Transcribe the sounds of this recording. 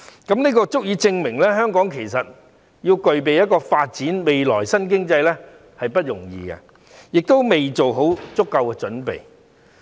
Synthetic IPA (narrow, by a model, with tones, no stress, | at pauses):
kɐ˨˦˥mniː˥kɔː˧t͡sʊ˥k̚jiː˨˧t͡sɪ˧ŋmɪ˨˩ŋlɛː˥ɦœː˥ŋkɔː˨˥ŋkʰe˨˩js̬ɐ˨t̚ | jiː˧wkɵ˨˧ɥp̬e˨jɐ˥t̚kɔː˧faː˧t̚t͡siː˨˥nme˨jlɔ̰ː˨˩jsɐ˥nk̬ɪ˥ŋt͡sɐ˧jlɛ˥ | hɐ˨jpɐ˥t̚jʊ˨˩ŋjḭː˨ɡɐ̰˧ | jɪ˨k̚t̪o˥wme˨jt͡ʃo˨wɦo˨˥wt͡sʊ˥kːɐ˧wkɛ˧t͡ʃɵ˨˥npḛ˨j